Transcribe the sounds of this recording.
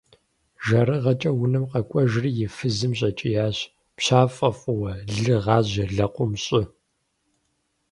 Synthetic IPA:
ʒɐɾɨʁɐt͡ʃʼɐwʊnɐmqɐkʷʼɔʒrijɪfɨzɨmɕʼɐt͡ʃʼɪjaːɕ | pɕaːfʼɐfʼʊwɐɮɨʁɑːʑɐɮɐqʷʊmɕʼɪ

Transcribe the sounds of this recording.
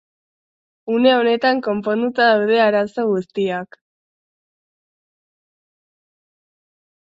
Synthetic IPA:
une̞o̞ne̞t̪aŋko̞mpo̞nd̪ut̪aðawð̞e̞aɾaso̞ɣ̞ust̪iak

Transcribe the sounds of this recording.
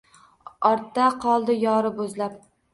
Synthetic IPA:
ɒɾt̪ːaqʰɒlˠd̪ɪjɒːɾɪbozlap̚

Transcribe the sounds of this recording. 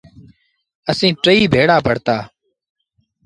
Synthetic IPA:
əsĩːʈɾəiːbʱeːɽaːpəɽt̪aː

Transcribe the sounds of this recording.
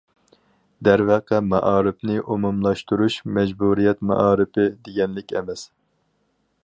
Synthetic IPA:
d̪æɾvæqʰɛmɑ̰ʔɑːɾɪpnɪʔumumlˠɑʃt̪uɾuʃmɛd͡ʒbuɾijɛt̪mɑ̰ʔɑːɾɨpɪd̪eɡʲɛnlɪkʲɛ̰mɛs

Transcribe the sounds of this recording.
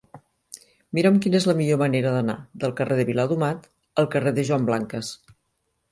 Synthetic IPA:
miɾəmkinezləmiʎoməneɾəðəna̰ðəlˠkərʔeðəβilaðumat̪ | əlˠkəreðəʒwamblaŋkəs

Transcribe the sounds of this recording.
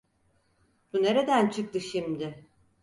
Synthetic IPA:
b̥une̞ɾe̞d̪ænt͡ʃʰɯk̚t̪ɯʃimd̪ɪ

